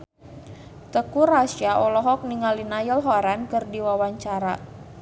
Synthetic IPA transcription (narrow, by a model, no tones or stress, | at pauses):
t̪əkuɾasiaʔɔlɔɦɔk̚niŋalinajəlɦɔɾankərdiwawaɲt͡ʃaɾa̰